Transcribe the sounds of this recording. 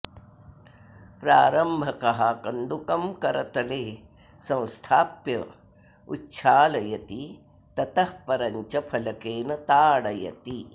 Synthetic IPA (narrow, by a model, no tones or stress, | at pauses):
pɾaːɾɐmbʱɐkɐɦaːkɐnd̪ukɐmkɐɾɐt̪ɐleː | sɐ̃w̃st̪ʰaːpjɐ̰ | utːʃʰaːlɐjɐt̪i | t̪ɐt̪ɐhpɐɾɐɲt͡ʃɐpʰɐlɐkeːnɐt̪aːɽɐjɐ̰t̪i